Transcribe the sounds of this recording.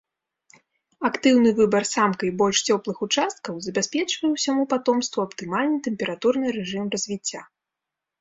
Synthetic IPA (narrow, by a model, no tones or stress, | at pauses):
akt̪ɨwn̪ɨvɨbɐrsamkɐjbɔlʲʂt͡sʲɔplˠɨxut͡ʂast̪̚kɐwzɐbʲasʲpʲɛt͡ʂvɐjɛwsʲamupat̪ɔmst̪vuɐpt̪ɨmalʲnɨt̪ɛmʲpʲɛɾat̪urnɨɾɛʐɨmrɐzʲvʲit͡sʲːa